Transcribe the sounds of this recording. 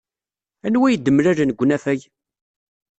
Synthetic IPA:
ænwæjəd̪ːəmɾæɾnəɡʷːnæfæʝ

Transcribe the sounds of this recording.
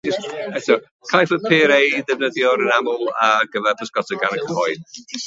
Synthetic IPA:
ɪsɛtʰɔ | kʰajfəpʰɪːɾejdɛvnəðjɔɾənamɔlˠəːɡ̥əvɛrpʰəskɔtʰəɡanəkʰəhɔɨd̥̚

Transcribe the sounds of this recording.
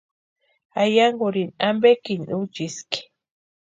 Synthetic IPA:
ajaŋɡuɾinambekinut͡ʃiski̥

